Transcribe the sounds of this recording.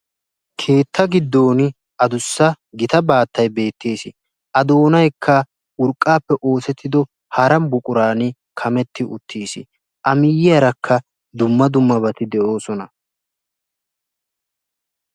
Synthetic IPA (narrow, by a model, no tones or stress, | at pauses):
kʰe̞ːt̪ʰːɐɡɪd̪ːo̞ːnɪ | ʔɐd̪ʊsːɐ | ɡɪt̪ɐbaːt̪ːɐjbe̞ːt̪ːe̞ːsɪ | ʔɐd̪o̞ːnɐjkʰːɐ | ʊɾkʼːaːpːɛʔo̞ːsɛt̪ʰːɪd̪ɔ | hɐɾɐmbʊkʼʊɾaːnɪ | kʰɐmɛt̪ːɪʔʊ̰t̪ʰːiːsɪ̰ | ʔɐmɪjɪjɐɾɐkʰːɐ | d̪ʊmːɐd̪ʊmːɐβɐt̪ɪd̪ɛʔo̞ːsɔnɐ